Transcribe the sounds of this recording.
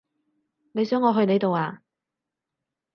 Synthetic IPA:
ne˨˧jsœː˨˥ŋɔː˨˧ɦɵ˧ɥne˨˧jt̪o˨waː˧

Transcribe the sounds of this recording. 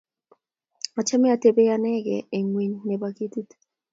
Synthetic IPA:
a˨t͡ʃɛ˦mɛ˦a˨te˦be˦ja˦nɛ˦ɡɛ˨e˨ŋwi˨˦ɲːe˨ba˨ki˦ti˦t

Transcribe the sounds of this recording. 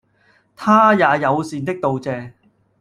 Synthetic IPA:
t̪ʰaː˥jaː˨˧jɐ˨˧wsiː˧nt̪ɪ˥k̚t̪o˨wt͡sɛː˨˧

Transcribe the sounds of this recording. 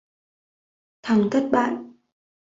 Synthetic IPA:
t̪ʰa˨˩˦ŋt̪ʰə˦˥t̚ɓa̰ː˧˨n

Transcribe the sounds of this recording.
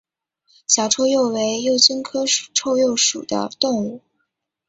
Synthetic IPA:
ɕja˧˥ʈ͡ʂʰo˥ʊjo˥˩ʊwe˧˥ɪjo˥˩ʊt͡ɕi˥nkʰɤ˥˨˩ʈ͡ʂʰo˥˧ʊjo˥˩ʊʂu˨˩d̪ə̰˦t̪ʊ˥˧ŋu˥˩

